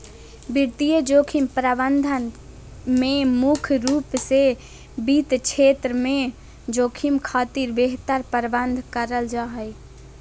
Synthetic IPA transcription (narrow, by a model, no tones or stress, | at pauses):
biɾt̪ijəd͡ʒoːkʰimpɾəbənd̪ʱən | memukʰɾupse | bit̪t͡ʃʰet̪ɾəme | d͡ʒokʰimkʰaːt̪iɾbeɦt̪əɾpəɾbənd̪ʱkəɾəld͡ʒaɦəj